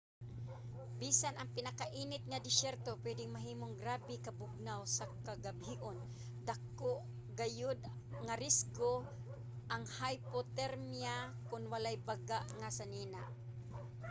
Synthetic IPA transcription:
biːsanɐŋpɪnakaʔiːnɪt̪̚ŋad̪ɪsɛɾt̪opwɛd̪ɪŋmaɦiːmoŋɡɾaːbɪkɐbʊɡ̚nawsakaɡabhiʔon | d̪akoʔ | ɡajod̪ | ŋaɾɪsko | ʔaŋhajpot̪ɛɾmjakʊnwalajbaɡaʔŋasaniːnaʔ

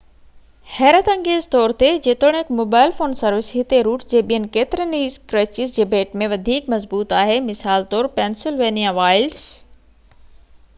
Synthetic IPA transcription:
hɛːɾət̪ə̃ŋɡeːzt̪ɔːɾt̪ed͡ʑet̪oɽ̃ekmoːbaːɪlfoːnsɐɾʋɪsɦɪt̪eɾuːʈd͡ʑeːɓijənɪ̆keːt̪ɪɾəniːzkɾət͡ɕɪzd͡ʑeːbeːʈmẽʋɐd̪ʱiːkmɐzbuːt̪aːɦemɪsaːlt̪ɔːɾpɛːnsɪlʋeːnijaʋaːɪlɖs

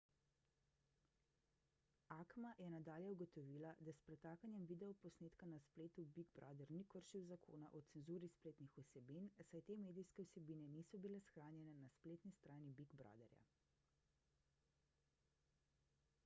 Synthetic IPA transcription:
aːkmajɛnad̪aːljɛuɡɔt̪ɔʋiːlad̪aspɾɛt̪aːkanjɛmʋiːd̪ɛɔpɔsneːt̪kanaspleːt̪ubiɡbɾɔ̰d̪ɛɾnikəɾʃiwzakʰo̰ːnaʔɔsɛnzuːɾispleːt̪nixusɛbinsajt̪eːmeːd̪ijskɛwsɛbiːnɛnisɔbilɛsxɾaːnjɛnɛnaspleːt̪nist̪ɾaːnibiɡbɾɔ̰ːd̪ɛɾja̰

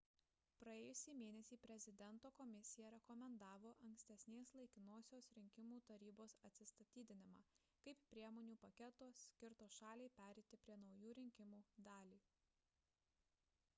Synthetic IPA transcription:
pɾɐeːjʊsʲiːmʲeːnʲɛsʲiːpʲɾʲɛzʲɪd̪ʲɛnt̪oːkɔmʲɪsʲɪjɛɾʲɛkɔmʲɛnd̪ɑːʋoːʔɐŋʲksʲt̪ʲɛsʲnʲeːslˠɐɪkʲɪnoːsʲoːsɾʲɪŋʲkʲɪmuːt̪ɐɾʲiːboːsɐt̪ʲsʲɪst̪ɐt̪ʲiːd̪ʲɪnʲɪmɑː | kɐɪppːʲɾʲiɛmoːnʲuːpɐkʲɛt̪oːsʲkʲɪɾt̪oːsʃɑːlʲeɪpʲæːɾʲɛɪt̪ʲɪpʲɾʲiɛnɒʊjuːɾʲɪŋʲkʲɪmuːd̪ɑːlʲiː

